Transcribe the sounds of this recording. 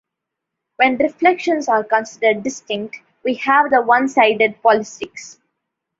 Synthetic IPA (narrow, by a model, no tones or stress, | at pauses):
ʋɛ̃nɾɪflɛkʃə̃nsaːɾkə̃nsɪɖəɾɖːɪsʈɪ̃ŋk̚ʈ | ʋiːhæʋd̪əʋʌ̃nsaɪɖeɖ̚pɔlɪsɪks